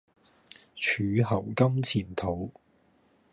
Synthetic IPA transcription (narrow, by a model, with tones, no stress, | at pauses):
t͡ʃʰyː˨˧ɦɐ˨˩wkɐ˥mt͡sʰiː˨˩nt̪ʰo˨˧˥w